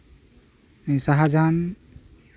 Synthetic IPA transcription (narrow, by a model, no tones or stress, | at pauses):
isaɦad͡ʒan